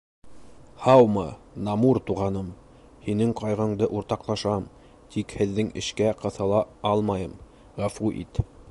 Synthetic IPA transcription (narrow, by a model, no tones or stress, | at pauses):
hɑwmɤ | nɑmuɾt̪uʁɑnɤm | hinɘŋqɑjʁɤ̆ɴd̪ɤʔuɾt̪ɑqlˠɑʃɑm | t̪ʰikhɘ̆ðːɘŋɘ̆ʃkæqɤ̆θɑlˠɑɑlˠmɑjɤm | ʁæfuʔḭt̪